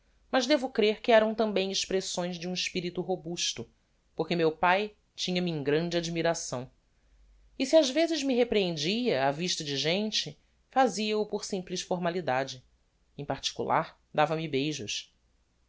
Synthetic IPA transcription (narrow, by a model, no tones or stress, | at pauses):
mɐzd̪evʊkɾeɾkɪɛɾɐ̃w̃t̪ɐ̃mbẽj̃ɪʃpɾesõj̃zd͡ʒɪũiʃpiɾit̪uɦobuʃt̪ʊ | poɾkemewpaj | t͡ʃĩɲɐmiẽɡɾɐ̃d͡ʒɪad͡ʒmiɾasɐ̃w̃ | isiazvezɪzmiɦepɾeẽnd͡ʒiɐaviʃt̪ɐd͡ʒɪʒẽnt͡ʃɪ | faziɐupoɾsĩmplɪʃfoɾmalid̪ad͡ʒɪ | ẽj̃paɾt͡ʃi̥kṵlʔa̰ɾ | d̪avɐmibejʒʊʃ